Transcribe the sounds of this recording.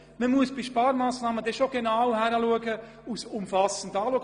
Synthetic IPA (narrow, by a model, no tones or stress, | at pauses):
məmuəsb̥iʃpɑːɾmaːsnaːməd̥ɛʃoɡ̥enaʊhɛɾəluəɡə | usʊmfɑsən̩dɑːluəɡ